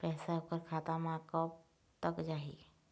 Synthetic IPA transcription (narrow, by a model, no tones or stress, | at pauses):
pɛːsaɦoːkəɾkʰaːt̪amãːkɔ | t̪əkd͡ʒaːɦḭ